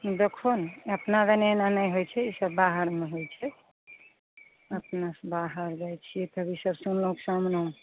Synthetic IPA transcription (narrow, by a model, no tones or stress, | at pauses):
d̪ekʰonəpnad͡ʒənenanəjɦojt͡ʃʰɛisəbːaɦəɾmeɦojt͡ʃʰɛ | əpnasbaɦəɾd͡ʒajt͡ʃʰijet̪əbisəbsunləksamnə̃